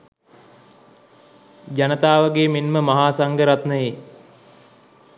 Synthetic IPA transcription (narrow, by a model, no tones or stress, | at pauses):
d͡ʒanət̪aːʋəɡeːmenməmaɦaːsaŋɡəɾat̪nəje